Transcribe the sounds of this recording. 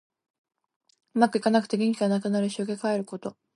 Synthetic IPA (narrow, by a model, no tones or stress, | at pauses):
ɯ̟makɯ̟ikanakɯ̟̥t̪e̞ɡʲẽŋkʲiɡanakɯ̟naɾɯ̟ɕioɡekae̞ɾɯ̟ko̞t̪o̞